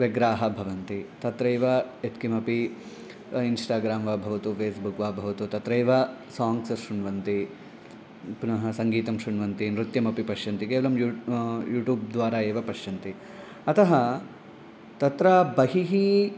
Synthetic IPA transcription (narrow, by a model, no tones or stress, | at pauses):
ʋeɡɾaːɦɐbʱɐʋɐnt̪it̪ɐt̪ɾɐjʋɐet̪kimɐpi | insʈaːɡɾaːmʋaːbʱɐʋɐt̪upʰeːsbukʋaːbʱɐʋɐt̪ut̪ɐt̪ɾɐjʋɐsaːŋɡsɐʃɾuɳʋɐnt̪i | punɐɦɐsɐŋɡiːt̪ɐmʃɾuɳʋɐnt̪inɾut̪jɐmɐpipɐʃjɐnt̪ikeːʋɐlɐmjujuːʈjuːb̚d̪ʋaːɾaːeːʋɐpɐʃjɐnt̪i | ɐt̪ʰɐɦɐ | t̪ɐt̪ɾabɐɦiɦi